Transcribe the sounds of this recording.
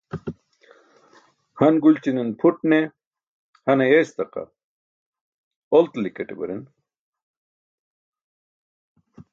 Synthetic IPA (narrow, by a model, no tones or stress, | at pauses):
hɐnɡult͡ɕininpʰuʈ̚ne | hɐnejest̪ɐqɐ̰ | olt̪likeʈebɐ̰ɾin